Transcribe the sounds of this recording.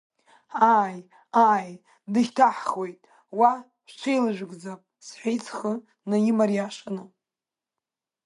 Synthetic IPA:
aj | aj | dɨʃtʰaħχwe̞jtʼ | wa | ħʷt͡ʃʷʰejlɨʒᶣʷɡd͡zapʼsħijt͡sʰχə | najimarjaʂʷanɨ

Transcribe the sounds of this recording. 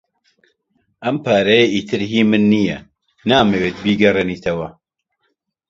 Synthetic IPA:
ʔɐmpʰaːɾɐjeʔiːt̪ʰɨɾɦiːmɨnːijɛ | naːmeweːt̪̚biːɡɐreniːt̪ʰɐwɐ

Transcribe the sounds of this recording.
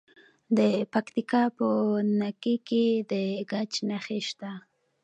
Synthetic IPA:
d̪ɪpakt̪ɪkapʊnakɪkɪd̪ɪɡat͡ʃnaχɪʃt̪a

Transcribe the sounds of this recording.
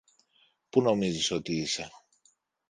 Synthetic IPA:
puno̞miziso̞t̪iise̞

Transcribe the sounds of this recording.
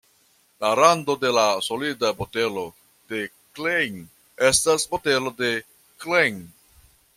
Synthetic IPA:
laɾando̞de̞laso̞lidabote̞lo̞ | d̥e̞ | klejŋ | e̞stasbo̞te̞lo̞de̞ | klejŋ

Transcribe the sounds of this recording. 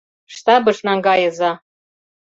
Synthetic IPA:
ʃt̪ɑbɤ̆ʃnɑŋɡɑjɤ̆zɑ

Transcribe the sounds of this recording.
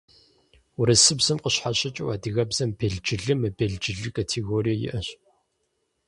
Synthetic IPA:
wʊɾɐsɨbzɐmqəɕħaɕʼɪt͡ʃʼɪwaːdiɣɐbz̥ɐmbeɮd͡ʒɪɮɨmɐbeɮd͡ʒɪɮɨkʰʼatʰeɣoːɾijɐjɪ̰ʔɐɕ

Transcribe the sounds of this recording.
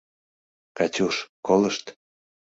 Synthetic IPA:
kɑt͡ɕuʃkoləʃt̪

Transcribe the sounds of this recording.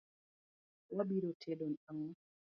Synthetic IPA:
wabiɾotʰedɔnaŋa

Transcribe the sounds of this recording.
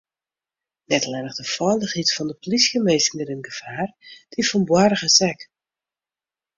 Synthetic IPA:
nɛtlɛnəɣdəfɔjlˠdəɣitfɔndəpolisjəmeːsənəɾənɡəfaːrd̥ʰifɔnbwarəɣəsɛk

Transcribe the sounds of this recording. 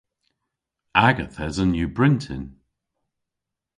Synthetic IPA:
aɡəθɛzənjubɹɪntʰɪ̰n

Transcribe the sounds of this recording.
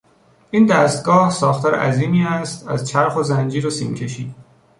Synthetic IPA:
ʔiːnd̪æːst̪̚ɡɒːhsɒːxt̪ʰɒːɾḛʔæ̰ziːmiːæst̪æzt͡ʃʰæɾxozænd͡ʒiːɾosḭːmcʰe̞ʃḭːd̪̥

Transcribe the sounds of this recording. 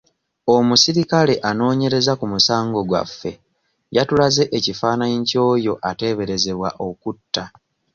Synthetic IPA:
o̞musiɾikale̞ʔano̞ːɲe̞ɾe̞zakumusaːŋɡo̞ɡwa̰fːe̞̰ | jatulaze̞ʔecifaːnaɲco̞ːjo̞ʔate̞ːβe̞ɾe̞ze̞βwaʔo̞kutːa

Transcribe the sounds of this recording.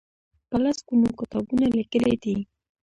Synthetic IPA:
palaskunokɪt̪ɑbunalikəled̪i

